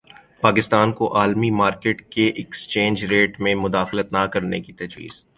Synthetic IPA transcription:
paːkɪst̪aːnkoʔaːlmimaːɾkeːʈkeʔɛkst͡ʃẽːnd͡ʒɾeːʈmẽmʊd̪aːxlət̪nakɐɾnḛkit̪ɐd͡ʒwḭːz̥

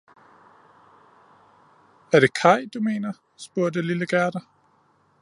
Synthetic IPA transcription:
æɐɾ̥e̝kʰɑ̈ɪ̰d̥ume̝̰ːnɐ | sb̥uɐ̰dəliləɡ̥æɐd̥ɐ

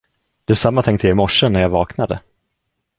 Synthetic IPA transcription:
d̪̥ɛæsamːat̪ʰɛŋk̚t̪ʰəjɛɪmɔʂːənæɾjaːvɑːknad̪ə̰

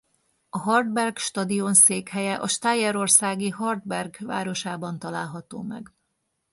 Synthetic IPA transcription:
ɒɦɒrd̪bɛrɡʃt̪ɒd̪io̞nseːkhɛjɛʔɒʃt̪aːjɛɾo̞rsaːɡiɦɒrd̪bɛrɡva̰ːɾo̞ʃaːbɒnt̪ɒlaːlɦɒt̪o̰ːmɛ̰ɡ

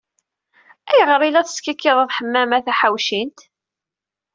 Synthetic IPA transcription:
æjəʁəɾˤilæθə̥skækːiðˤɑðˤħəmːæmæθæħawʃint̪

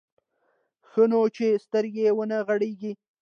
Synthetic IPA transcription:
xənot͡ʃest̪əɾɡewənəɣaɽeɡi

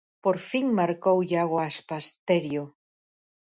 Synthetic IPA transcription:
poɾfiŋmaɾkowʎaɣwaaspast̪eɾjo

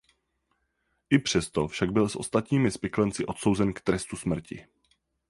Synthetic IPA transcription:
ʔɪpr̝̥ɛst̪ofʃaɡ̚bɪlsʔo̞̰st̪at̪ɲiːmɪspɪklɛnt͡sɪʔo̞t̪so̞wzɛnkt̪ɾɛst̪usmr̩cɪ̰

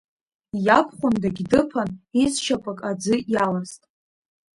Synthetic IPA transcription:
japʰχʷʊndaɡʲdɨpʰanizʃapʼakʼad͡zɨjalaztʼ

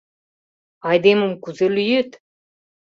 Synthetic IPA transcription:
ɑjd̪emə̆mkyzelyjet̪

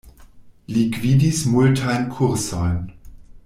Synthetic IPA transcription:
likʰv̥iːdismʊltʰaɪnkʰʊʁsɔːn

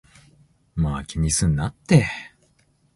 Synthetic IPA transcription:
maːkʲiɲ̟isɨ̃nːat̪ːe

